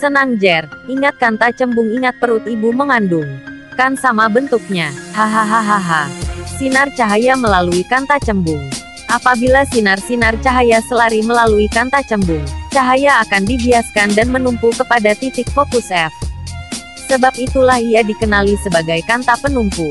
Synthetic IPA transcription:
sənaŋd͡ʒɛriŋat̪̚kant̪at͡ʃəmbʊŋiŋat̪̚pəɾʊt̪ibuməŋandʊŋkansamabənt̪uk̚ɲahaɦaɦaɦaɦasinart͡ʃaɦajaməlaluikant̪at͡ʃəmbʊŋ | ʔapabilasinarsinart͡ʃaɦajasəlaɾiməlaluikant̪at͡ʃəmbʊŋt͡ʃaɦajaːkandibiaskandanmənumpukəpadat̪it̪ɪk̚fokusɛf | səbap̚it̪ulahijadikənalisəbaɡajkant̪apənumpu

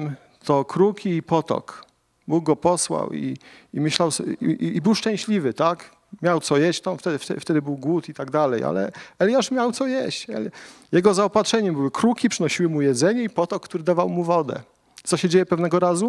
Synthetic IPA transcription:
t̪ɔkɾukʲʰiːpɔt̪ɔ̰k | buɡ̚ɡɔpɔswa̰wḭimɘɕlawsiːbɘwʂt͡ʂɛ̃ɕlʲivɘt̪ak | mʲjawt̪sɔjeɕt͡ɕt̪amft̪ɛft̪ɛ̰ft̪ɛd̪ɘbɘwɡwut̪it̪aɡd̪alɛja̰lɛ̰ɛlʲjaʂmʲjawt̪sɔjeɕt͡ɕɛ̰ | jɛɡɔzaɔpatʂɛɲɛmbɘwɘkɾukʲipʂɘnɔɕiwɘmujɛd̪zɛɲɛipɔt̪ɔkːt̪uɾɘd̪avawmuvɔd̪ɛ̰ | t̪sɔɕɛd͡ʑejɛpɛvnɛɡɔɾazu

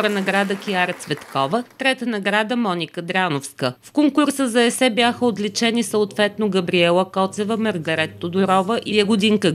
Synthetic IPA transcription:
ɾənɐɡɾad̪əkʲiaɾət̪svɛt̪kɔvət̪ɾɛt̪ənɐɡɾad̪əmɔnʲikəd̪ɾanofskəfkoŋkʊɾsəzɐɛsɛbjaxəot̪lit͡ʃɛnisəot̪vɛt̪noɡɐbɾiɛlˠəkɔt̪sɛvəmɐɾɡɐɾɛt̪ːod̪ʊɾɔvəʔijɐɡʊd̪iŋkə

